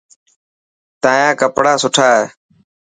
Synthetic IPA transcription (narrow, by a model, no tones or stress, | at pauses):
t̪ãːjãːkəpɽaːsʊʈʰaːɦeː